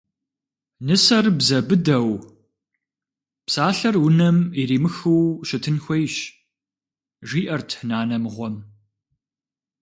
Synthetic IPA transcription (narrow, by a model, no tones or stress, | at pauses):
nɨsɐrbzɐbɨdɐw | psaːɬɐrwʊnɐmiɾiːmɨxɨwʃɪtʰɨnxʷejɕ | ʒiːʔɐrtʰhnaːnɐmʁʷɔm